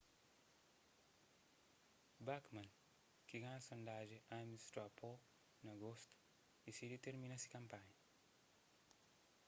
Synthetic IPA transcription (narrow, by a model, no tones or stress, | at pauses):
bakmɐ̃n | kiɡãnɐsond̪aʒeʔamist̪ɾapo | nɐɡost̪u̥ | isidit̪eɾminɐsi̥kɐ̃mpaɲɐ